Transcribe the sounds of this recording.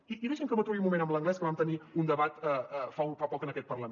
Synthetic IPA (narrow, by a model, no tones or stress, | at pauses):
iiðɛʒeɛmkəmbət̪ɾuβiumumenəmləŋɡlɛskəβamt̪əniund̪əβat̪əfaufapɔkənəkɛt̪̚pərlə